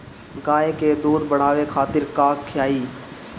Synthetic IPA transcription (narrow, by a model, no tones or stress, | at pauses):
ɡaːeked̪uːd̪bɐɽ̤aːʋekʰaːt̪ɪɾkaːkkʰːjaːiː